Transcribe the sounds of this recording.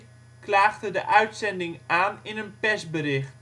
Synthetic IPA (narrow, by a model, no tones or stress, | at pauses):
klaːɣdədəʔœɥtsɛndɪŋʔaːnɪnənpɛsbərɪxt